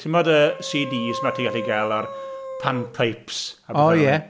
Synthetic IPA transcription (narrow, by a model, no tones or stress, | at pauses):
tʰɪmɔdəsiːdiːsmatʰiɡaɬiɡalˠarpʰanpʰajpsabɔjɛ